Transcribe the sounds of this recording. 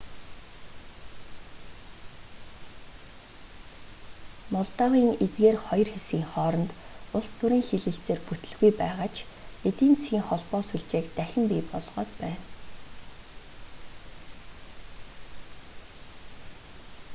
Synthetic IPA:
mɔɮt̪aːʁiːŋet̪ɡeːrχɔj̆rxesiːŋχɔːɾɞ̆nt̪ʊɮst̪ʰʊɾiːŋxeɮɘ̆ɬt͡seːrput̪ɘ̆ɮɣujpæːʁaːt͡ɕʰ | et̪iːnt͡sʰɣiːŋχɔɮpɔːsuɮt͡ɕeːkt̪æxʲɪ̆mpiːpɔ̰ɮʁɔ̰ːt̪pæːn

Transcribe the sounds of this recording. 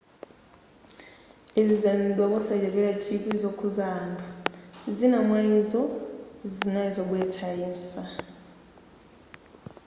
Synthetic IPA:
ɛzɛndʼwɔɓɔsad͡ʒɛɓɛlat͡ʃʰikʼizokʰuzaːndʱazinamwaizɔzinaizɔk̬wɛtʰajɛɱfa

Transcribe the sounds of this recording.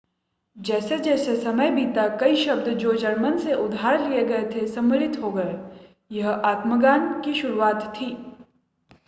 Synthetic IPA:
d͡ʒɛːsed͡ʒɛːsesɐməjbʱiːt̪akɐiʃɐb̚d̪d͡ʒoːd͡ʒɐɾmənseʔʊd̪ʱaːɾlieɡɐet̪ʰesɐ̃məɾɪt̪ɦoːɡɐe | jɐɦaːt̪məɡaːnkiʃʊɾuaːt̪ʰːiː

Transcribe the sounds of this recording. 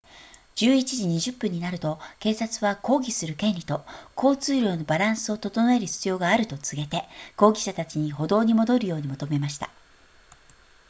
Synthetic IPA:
d͡ʑɨːit͡ɕiʑiɲ̟iʑɨpːɯ̟̃ɲ̟ːinaɾɯ̟t̪o̞ke̞ːsat͡sɨβako̞ːɡʲisɨɾɯ̟kẽ̞nʲɾʲit̪o̞kʰo̞ːt͡sɨːɾʲjo̞ːno̞baɾãɰ̃sɨo̞t̪o̞t̪o̞noe̞ɾɯ̟ç̥t͡sɨjo̞ːɡaːɾɯ̟t̪o̞t͡sɨɡe̞t̪e̞ko̞ːɡʲiɕat̪at͡ɕiɲ̟iɦo̞d̪o̞ːɲ̟imo̞d̪o̞ɾɯ̟jo̞ːɲ̟imo̞t̪ome̞maɕi̥t̪a̰

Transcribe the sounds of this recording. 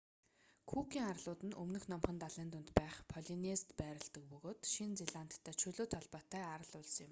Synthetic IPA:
kʰukʰiːŋarɮʊːt̪ɘ̆nɵ̰mnɵ̆xnɔmχə̆nt̪aɮeːnt̪ʊnt̪pæːχpʰɔɮinest̪pæːɾɪ̆ɮt̪ə̆k̚pɵɣoːt̪ʃint͡seɮant̪ʰːæːt͡ɕʰɵɮoːt̪ʰɔɮpɔːt̪ːæːaɾə̆ɮʊɮsjɪ̆m

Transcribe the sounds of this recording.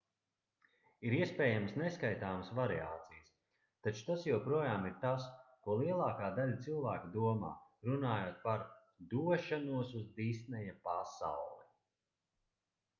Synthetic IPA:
iɾiɛspɛːjaməsneskajt̪aːməsvaɾia̰ːt̪sijs | t̪at͡ʃu̥t̪asjupɾuɔjaːmiɾt̪askuɔlˠiɛlˠaːkaːd̪alʲt̪silˠvaːkid̪uɔma̰ːɾunaːjoːt̪̚paɾ | d̪uɔʃanuɔsuzd̪iːst̪nɛjapasa̰wlˠi

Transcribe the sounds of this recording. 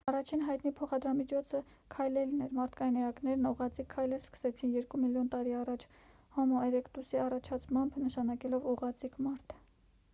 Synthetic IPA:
ɑrɑt͡ʃʰinɦɑjt̪nipʰɔχɑd̪ɾɑmit͡ʃʰɔt͡sʰə | kʰɑjlɛlnɛɾmɑɾt̪ʰkɑjinɛɑknɛɾnuʁɑt͡sikʰːɑjlɛskə̥sɛt͡sʰinjɛɾkumiljɔnt̪ɑɾiɑrɑt͡ʃʰ | hɔmɔɛɾɛkt̪usiɑrɑt͡ʃʰɑt͡sʰmɑmbnəʃɑnɑkɛlɔvuʁɑt͡sikʰmɑɾt̪ʰ

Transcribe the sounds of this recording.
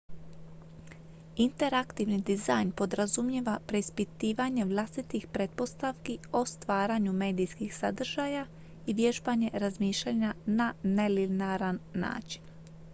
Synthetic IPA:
int̪e̞ɾakt̪iʋnid̪izajnpo̞d̪ɾazumjeʋapɾe̞ispit̪iːʋaɲe̞ʋlˠast̪it̪ixpɾet̪̚po̞st̪aʋkiost̪ʋaːɾaɲume̞ːd̪ijskixsad̪r̩ʒaːja | iʋje̞ʒbaɲe̞ɾazmiːʃʎaɲanane̞linaɾanːa̰ːt͡ʃi̥n

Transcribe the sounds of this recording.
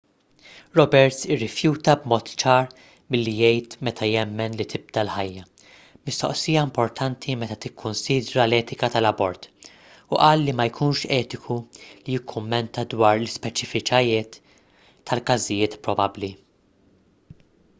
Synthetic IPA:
ɾɔbɛɾt̪sɪrːɪfjuːt̪ɐbmɔːt̪t͡ʃɐːɾ | mɪlːijɛjt̪mɛt̪ʰɐjɛmːɛnlit̪ʰɪb̚d̪ɐlħɐjːɐ | mɪst̪ɔ̰ʔsijɐɪmpɔɾt̪ʰɐnt̪ʰimɛt̪ɐt̪ɪkʰːʊnsiːd̪ɾɐlɛːt̪ɪkɐt̪ɐlɐbɔɾt̪ | ʊʔɐːlːimɐjkʰuːnʃɛːt̪ɪkʰulijɪkʰːʊmːɛnt̪ɐd̪wɐːɾlɪspɛt͡ʃɪfɪkɐjɪːt̪ː | ɐlkɐzɪjɪːt̪pɾɔbɐbli

